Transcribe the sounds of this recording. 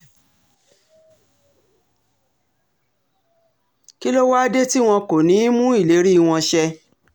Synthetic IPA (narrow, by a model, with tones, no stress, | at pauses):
ki˦lo˦wa˦a˦de˦ti˦w̃ɔ̃˧ko˨nĩ˨˦mũ˦i˦˨le˨˦ɾi˦˧˨w̃ɔ̃˧ʃɛ˧